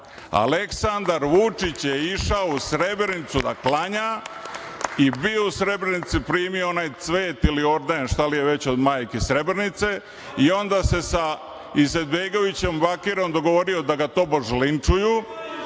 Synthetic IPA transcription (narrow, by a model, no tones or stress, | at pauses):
a̰le̞ksand̪aɾʋut͡ʂit͡ɕjeiʃaousɾe̞bɾenit̪sud̪aklaɲa | ibiousɾe̞bɾenit̪sipɾiːmioonaːjt̪sʋe̞ːt̪ilio̞ɾd̪anʃt̪alije̞ʋe̞t͡ɕo̞d̪maːjkesɾe̞bɾenit̪se̞ | io̞nd̪aːse̞sa | ize̞d̪beɡo̞ʋit͡ɕe̞mbakiɾo̞md̪o̞ɡo̞ʋo̞ɾio̞d̪aɡat̪o̞ːboʒlint͡ʂuju